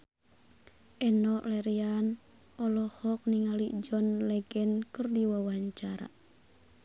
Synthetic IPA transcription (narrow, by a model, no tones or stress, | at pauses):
ʔɛnɔʔlɛɾian | ɔlɔhɔk̚niŋalid͡ʒɔnlɛɡɛnkərdiwawaɲt͡ʃaɾa̰